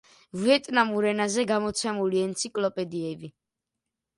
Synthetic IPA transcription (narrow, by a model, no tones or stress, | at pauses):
vɛt̪ʼnamuɾɛnazɛɡamɔt̪sʰɛmuliɛnt̪sʰikʼlɔpʼɛd̪iɛbi